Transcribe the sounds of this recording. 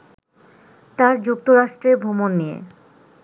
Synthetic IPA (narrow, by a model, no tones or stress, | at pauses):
t̪aɾd͡ʑuk̚t̪oɾaʃʈɾeɾbʱomonːijḛ